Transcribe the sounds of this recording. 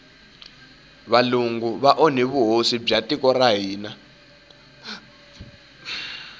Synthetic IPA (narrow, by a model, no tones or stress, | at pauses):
βaluŋɡuβaʔɔn̤iβuɦosib͡ʐatʼikʼɔraɦiːna